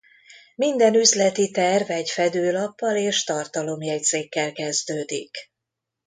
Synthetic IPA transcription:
mind̪ɛnyzlɛt̪it̪ɛrvɛɟfɛd̪øːlɒpːɒleːʃt̪ɒrt̪ɒlo̞mjɛj̚t̪seːkːɛlkɛzd̪øːd̪ḭk

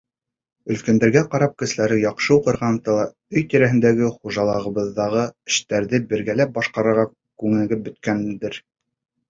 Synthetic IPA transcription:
ɵ̆lkænd̪æɾɡæqɑɾɑp̚kɘ̆ʃɘ̆læɾɘjɑqʃɤuqɤ̆ɾʁɑnt̪ɤlˠɑ | ɵjt̪iɾæɦɘ̆nd̪æɡɘχuʒɑlˠɑʁɤ̆βɤ̆ðːɑʁɤɘ̆ʃt̪æɾðɘbɘ̆ɾɡælæp̚bɑʃqɑɾɤ̆ɾʁɑ | kʉŋɘ̆ɡɘp̚bɵ̆t̪kænd̪ɘɾ

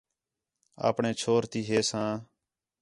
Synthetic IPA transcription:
a̰ːpɳẽːt͡ʃʰoːɾt̪iːɦeːsãː

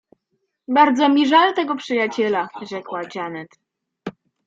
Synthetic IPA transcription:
baɾd̪zɔmʲiʐalt̪ɛɡɔpʂɘjat͡ɕɛlaʐɛkwad͡ʑanɛt̪

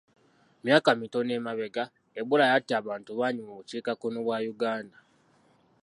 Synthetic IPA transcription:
mjaːkamito̞ne̞maβe̞ɡa | eβulajatːiaβaːntuβaːɲumoβuciːkakunoβwaːjuɡaːnda

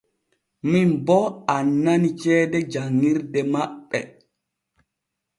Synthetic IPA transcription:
minbɔanːanit͡ʃɛːdɛd͡ʒaŋːiɾdɛmaɓːɛ̰

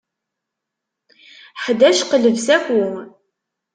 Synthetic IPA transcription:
ħd̪æʃqələvsæxʷu

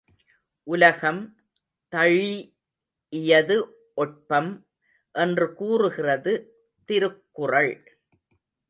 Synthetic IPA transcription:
ʔʊlɐɣɐm | t̪ɐɻi | ɪjɐðɯ | ʔɔʈ̚pɐm | ʔɛndrɯkuːrɯɣɪrɐðɯ | t̪ɪɾɯkːʊrɐɭ

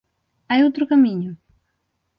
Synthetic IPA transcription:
ajowt̪ɾʊkɐmiɲʊ

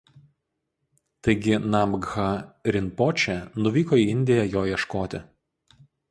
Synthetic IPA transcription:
t̪ɐɪɡʲɪnɐmɡɣɐɾʲɪnpɔt͡ʃʲɛnʊʋʲiːkoːiːɪnʲd̪ʲɪjɛjoːjiɛʃkoːt̪ʲɪ

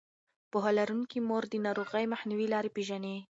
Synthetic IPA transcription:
poɦɑlaɾuŋkimoɾd̪ənɑɾoɣəjmaxniwilɑɾepeʒane

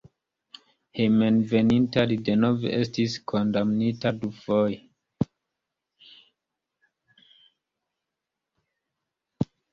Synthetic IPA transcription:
hemenvenintadidenovestiskʰondamnitaduvoj

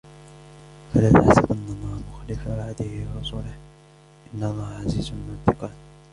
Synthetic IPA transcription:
falaːt̪aħsɪbʔanːɑlˤːɑːhmʊxalɪfawaʕad̪ɪhɪwɾˤɑsuːlɪh | ʔɪnːɑlˤːɑːhʕaziːzmɪnat̪ːɪqɑːn

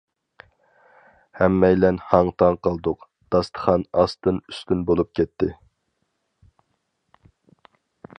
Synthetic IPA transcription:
hɛmːɛjlɛnhɑŋt̪ʰɑɴqʰɑlˠd̪ʊq | d̪̥ɑst̪ʰə̥χɑnɑst̪ɨnyst̪ynbolˠup̚kʲɛt̪ʰːɪ

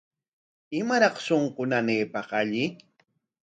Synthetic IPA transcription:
ɪmaɾɑχsoɴqʊnaneːpɑqaʎɪ

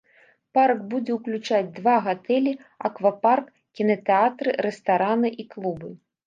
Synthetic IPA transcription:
parɡbud͡zʲɛwklʲut͡ʂad͡zʲd̪vaɣat̪ɛlʲiɐ̰kvapark | kʲinɐt̪ɛat̪ɾɨɾɛst̪aɾanɨʔiklˠubɨ

